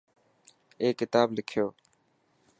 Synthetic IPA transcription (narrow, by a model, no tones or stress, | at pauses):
eːkɪt̪aːblɪkʰjoː